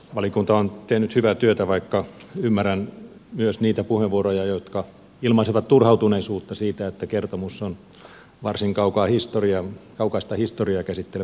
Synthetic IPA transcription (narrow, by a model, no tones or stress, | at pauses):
ʋɑlikunt̪ɑont̪ehnyt̪hyʋæt̪yøt̪æʋɑikːɑymːærænmyøsniːt̪æpuheʋʋuorojɑjot̪kɑ | ilmɑisiʋɑt̪t̪urhɑut̪uneisuːt̪ːɑsiːt̪æet̪ːækert̪omusːon | ʋɑrsiŋkɑukɑːhist̪oriɑkɑukɑist̪ɑhist̪oriɑkæsit̪ːel